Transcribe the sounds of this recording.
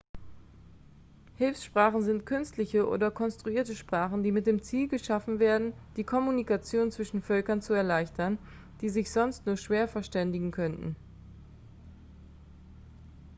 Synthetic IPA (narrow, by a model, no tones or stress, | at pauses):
hɪlfsʃpʁ̥aːχn̩zɪntkʰʏnstʰlɪçəʔo̰ːdɐkʰɔnstʁ̥uiːɐtəʃpʁ̥aːχn̩diːmɪt̚d̥eːmt͡siːlɡəʃafn̩veːɐdn̩d̥iːkʰɔmunikat͡sjoːnt͡sv̥ɪʃn̩fœlkɐnt͡suɛɐlaɪçtʰɐn | d̥iːzɪçz̥ɔnstnuːɐʃv̥eːɐfɛɐʃtɛndɪɡŋ̩kʰœntn̩